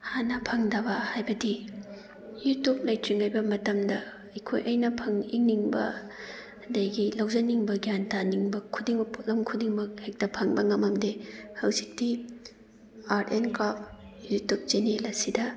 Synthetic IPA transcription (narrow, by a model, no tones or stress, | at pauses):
hanɐpʰɐŋdɐbɐhajbɐdi | jutup̚lɐjtɾiŋajbɐmɐtɐmdɐː | jkʰo̰jʔɐjnɐpʰɐŋiŋniŋbɐ̰ | dɐjɡilɐwzɐniŋbɐɡijantaniŋbɐkʰudiŋmɐpʰulɐmkʰudiŋmɐk̚hek̚tɐpʰɐŋbɐŋɐmɐmdehɐwzik̚di | aɾenkɾap̚ʰjutup̚d͡ʒenelɐsidɐ